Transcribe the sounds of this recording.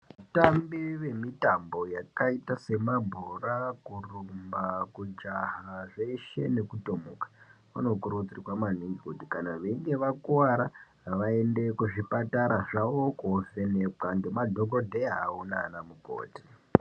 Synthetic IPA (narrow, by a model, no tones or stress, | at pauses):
ʋutambiʋe̞mitambo̞jakaitase̞mabʱorakurumbakud͡ʒaɦaʐeʃe̞ne̞kutomukḁʋa̰no̞kuɾut͡sriwamaniŋɡikutikanaʋeŋɡe̞ʋakuwaɾa | ʋaende̞kuʐipataɾaʐaʋokofe̞nekaŋɡe̞madʱo̞ɡʱodʱeaunanamuko̰ːti̥